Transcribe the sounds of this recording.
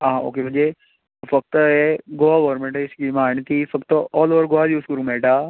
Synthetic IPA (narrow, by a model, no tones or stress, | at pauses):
ɦãão̰ːkembə̃nd͡ʒe | fɐk̚t̪ɛɡoaɡoːɾmẽɳʈːɪskimaːɳət̪ifɐkt̪ɔːloːʋəɾɡoajuːskəɾũːmeːʈaː